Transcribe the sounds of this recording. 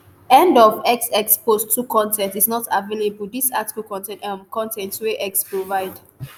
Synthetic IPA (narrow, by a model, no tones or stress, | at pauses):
ɛ̃ndɔvɛksɛkspostʰːukʰɔ̃ntʰɛ̃ntisnɔtʰavelebuldisati̥kəlkɔ̃ntɛ̃nmkɔ̃ntɛ̃ntweʔɛkspɹovaɪd